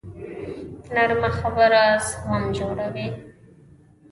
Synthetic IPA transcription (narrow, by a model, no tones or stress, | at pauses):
naɾmaxabəɾashamd͡ʒoɽawi